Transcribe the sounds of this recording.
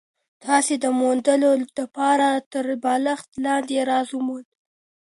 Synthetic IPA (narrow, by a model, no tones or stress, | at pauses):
t̪ʰɑsed̪əmond̪əlod̪apɑɾat̪əɾbɑlaxt̪lɑnd̪eɾɑzumun